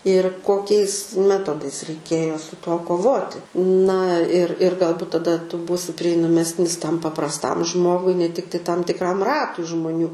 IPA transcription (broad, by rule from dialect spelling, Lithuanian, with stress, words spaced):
ɪr koːˈkʲɛɪs ˈmʲæːtoːdɐɪs rʲɛɪˈkʲeːjoː sʊ ˈtuɔ koːˈʋoːtʲɪ nɐ ɪr ɪr ɡɐlˠˈbʊt tɐˈdɐ ˈtʊ ˈbuːsʲɪ pʲrʲiɛɪnɐˈmʲæːsʲnʲɪs ˈtɐm pɐprɐsˈtɐm ˈʒmoːɡʊɪ nʲɛ ˈtʲɪktɐɪ ˈtɐm tʲɪkˈrɐm ˈrɑːtʊɪ ʒmʊˈnʲuː